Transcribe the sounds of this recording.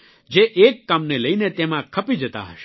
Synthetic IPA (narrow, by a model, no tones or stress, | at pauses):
d͡ʒeʔekːamneləinet̪emãkʰəpid͡ʒət̪a̰ɦəʃe̥